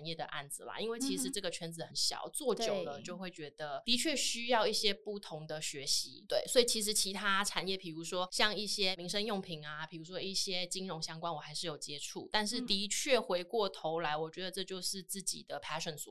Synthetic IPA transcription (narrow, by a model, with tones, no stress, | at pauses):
njɛ˥˩d̪ə˩ʔa̰˥˩nd͡zɹ̩˨˩la̰˩i˥nwe˥˩ɪt͡ɕʰi˧˥ʂɻ̩˧˥ʈ͡ʂɤ˥˩ɡə˩t͡ɕʰɥɛ˧˥nd͡zɹ̩˧˩˦xə˨˩nɕjɑ̰˨˩˦ʊt͡swɔ˥˩t͡ɕjo˨˩ʊnə˦t͡ɕjo˥˧ʊxwe˥˩ɪt͡ɕɥɛ˧˥d̪̥ə˧t̪i˧˥t͡ɕʰɥɛ˥˩ɕy˥jɑ˥˧ʊi˥˩ɕjɛ˥pu˥˩t̪ʰʊ˧˥ŋd̪ə˨ɕɥɛ˧˥ɕḭ˧˥t̪we˥˩ɪswɔ˧˥i˨˩t͡ɕʰi˧˥ʂ̬ɻ̩˧˥t͡ɕʰi˧˥t̪ʰa˥ʈ͡ʂʰa˨˩njɛ˥˩pʰi˨˩ɻu˧˥ʂwɔ˥ɕjɑ˥˧ŋi˥˩ɕjɛ˥mi˧˥ŋʂə˥njʊ˥˩ŋpʰi˧˥ŋa˨pʰi˨˩ɻu˧˥ʂwɔ˥i˥˩ɕjɛ˥t͡ɕi˥ŋɻʊ˧˥ŋɕjɑ˥ŋkwa˥nwɔ˨˩xa˧˥ɪʂɻ̩˥˩jo˨˩ʊt͡ɕjɛ˥ʈ͡ʂʰṵ˥˩t̪a˥˧nʂ̬ɻ̩˥˩t̪i˧˥t͡ɕʰɥɛ˥˩xwe˧˥ɪkwɔ˥˩t̪ʰo˧˥ʊla˧˥ɪwɔ˨˩t͡ɕɥɛ˧˥d̪ə˨˧ʈ͡ʂɤ˥˧t͡ɕjo˥˧ʊʂɻ̩˥˧t͡sɹ̩˥˩t͡ɕḭ˨˩d̪ə˦pʰa˥ɪʂə˨˩nsṵ˨˩